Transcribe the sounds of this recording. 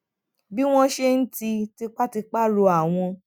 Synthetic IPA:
bi˦w̃ɔ̃˦ʃe˦n̩˦ti˧ti˧k͡pa˦ti˧k͡pa˦lo˧a˨w̃ɔ̃˧

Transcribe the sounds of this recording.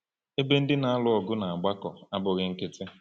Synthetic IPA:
e˦be˦n̩˦dɪ˦na˨a˦lʊ˦ɔ˨ɡʊ˦na˨a˨ɡ͡ba˦kɔ˨a˦bʊ˨ɣɪ˦ŋ̩˦kɪ˦tɪ˦

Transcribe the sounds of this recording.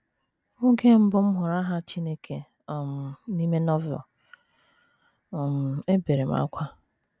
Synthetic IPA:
o˦ɡe˦m̩˦bʊ˦m̩˦ɦʊ˨ɾa˦ɦa˦t͡ʃi˦ne˦kʰe˦˨ | m̩˨ni˦me˦nɔ˦vɛ̰˨l | m̩˨e˦be˨ɾe˨m̩a̰˦kʷa˦

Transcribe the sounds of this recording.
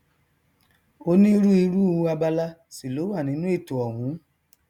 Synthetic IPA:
o˧nĩ˦˧˦ɾu˦i˧ɾu˦˨u˧˦a˧ba˧la˦si˨lo˨˦wa˦˨nĩ˨˦nũ˦e˦˨to˨ɔ˨wũ˨˦

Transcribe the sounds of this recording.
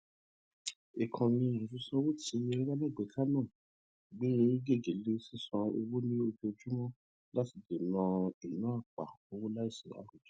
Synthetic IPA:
e˨kʰã˨nĩ˧˦˧ũ˨tu˧sɔ̃˦wo˦tʰi˧e˧ɾi˦ɾa˦le˦˨ɡ͡be˨kʰa˦nãː˦˨ | ɡ͡be˦e˦ɡe˦˨ɡe˨le˦si˦˨sɔ̃˧ḛ˧wo˦nĩ˦o˧fi˧o˧d͡ʒu˦mɔ̃˦ | la˦ti˨˧˨de˨nã˧i˨nã˨˦a˦˨k͡pa̰˨o˧wo˦la˦i˦˨sḭ˨a̰˦ɾu˨d͡ʒu̥˦

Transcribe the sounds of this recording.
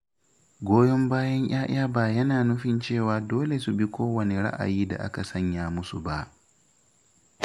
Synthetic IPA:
ɡʷoː˦jɔ˦mbaː˦jɐ˦ɲʔj̰aː˦j̰aː˦baː˨jɐ˦naː˨nʊ˦ɸɪ˦˨nt͡ʃeː˦˨waː˨doː˦le˨su˨bi˦kʷoː˦wɐ˨ne˨ɽa̰˦ʔa̰˨jiː˦da̰˨ʔa˦ka˨sɐ˦ɲjaː˨mʊ˦su˨ba˦ʔ

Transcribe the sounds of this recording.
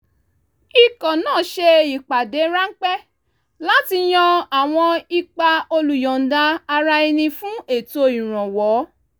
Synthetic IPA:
i˨kɔ̃˨nãː˦˨ʃe˧i˨k͡pa˨de˨˦ɾa˦ŋ̩˦k͡pɛ˦ | la˦ti˧j̃ɔ̃˧a˨w̃ɔ̃˧i˧k͡pa˧o˧lu˨jɔ˨n̩˨˦da˧a˧ɾa˧i˧nĩ˧fũ˦e˦˨to˧ĩ˨ɾ̃ɔ̃˨wɔ˨˦

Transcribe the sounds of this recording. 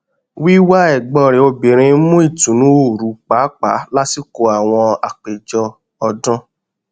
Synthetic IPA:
wi˦wa˦ɛ˦˨ɡ͡bɔ˧˨ɾe˨o˧bĩ˨ɾ̃ĩ˧˦mũ˦i˦˨tũ˨nũ˨˦o˦˨ɾu˨˦k͡pa˨˦k͡pa˨˦la˦ti˦ko˧˦a˨w̃ɔ̃˧a˨k͡pe˨d͡ʒɔ˧ | ɔ˧dɔ̃˦

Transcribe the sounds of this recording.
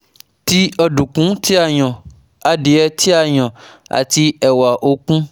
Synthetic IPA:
ti˦ɔ˧dũ˨kũ˨˦ti˦a˦˨j̃ɔ̃˨ | a˨di˨˦ɛ˧ti˦a˨j̃ɔ̃˨a̰˨ti˧ɛ˨wa˨ʔo˧˦kũ˦

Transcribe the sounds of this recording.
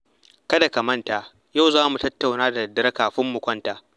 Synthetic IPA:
kɐ˦da˨kɐ˨mɐ˦nta˨ | ja˦˨wzaː˦mu˨tɐ˦tːa˨wnaː˦da˨dɐ˦ɾɐ˦kaː˨ɸɪ˦mːu˨kʷɐ˦ntaː˨ʔ

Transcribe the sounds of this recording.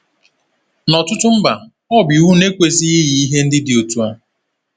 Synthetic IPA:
nɔ˨tʊ˦tʊ˦m̩˦ba˨ | ɔ˦bju˦ɦu˦ne˦kʷe˨zi˦i˦ji˨i˦ɦe˦n̩˦dɪ˦dɪ˨o˨tu˦a˦

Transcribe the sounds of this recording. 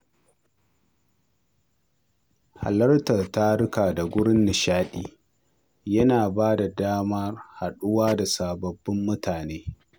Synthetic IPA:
ha̰˨lɐ˦rtɐ˨rta˦ɽʊ˦kaː˨da˨ɡʷʊ˦ɽɪ˦nːɪ˨ʃaː˦ɗiː˦ | jɐ˦naː˨baː˦da˨daː˦mɐ˦rha˨ɗʊ˦waː˦da˨saː˨bɐ˨bːɪ˦mːʊ˦tʰaː˨neː˦

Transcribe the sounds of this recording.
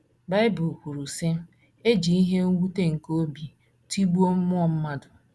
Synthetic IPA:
ba˦ɪ˦bʊ˨ku˨ɾu˨sɪ˦ | e˦d͡ʒi˨i˦ɦe˦ŋ̩˦wu˦te˦ŋ̩˨ko˦bi˨ | ti˦ɡ͡bu˦o˦mʊ˦ɔ˨m̩˦ma˦dʊ˨

